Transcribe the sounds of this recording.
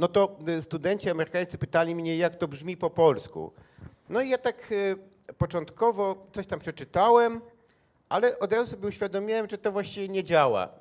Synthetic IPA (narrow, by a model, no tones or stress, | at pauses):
nɔt̪ɔst̪ud̪ɛɲt͡ɕiamɛɾɘkajt̪sɘpɘt̪alʲimɲɛjakt̪ɔbʐmʲipɔpɔlskṵ | nɔijat̪ak | pɔt͡ʂɔnt̪kɔvɔt̪sɔɕt̪ampʂɛt͡ʂɘt̪awɛm | ʔalɛʔɔd̪ɾazusɔbʲjɛuɕfʲjad̪ɔmʲiwɛmʐɛt̪ɔvwaɕt͡ɕivʲjɛɲɛd͡ʑawa̰